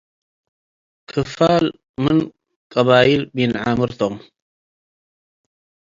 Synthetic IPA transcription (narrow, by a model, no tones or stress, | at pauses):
kʰɨfal | mɨn | kʼɐβaʔilbɨjɪnʕamɨɾt̪ʰom